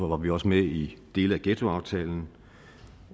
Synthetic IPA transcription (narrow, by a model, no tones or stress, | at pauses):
ʋɑ̈ʋiɒ̽səmeid̥e̝̰ːləæɡ̥et͡sʰo̝ɑ̈ʊt͡sʰɛ̰ːln̩